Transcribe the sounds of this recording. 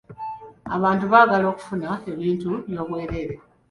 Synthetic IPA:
a̰βaːntuβaːɡalo̞ːku̥funae̞βiːntuβjo̞ːβwe̞ːɾe̞ɾe

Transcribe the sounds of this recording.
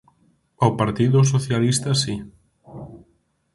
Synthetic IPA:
awpaɾt̪iðʊs̬oθjalist̪ɐsi

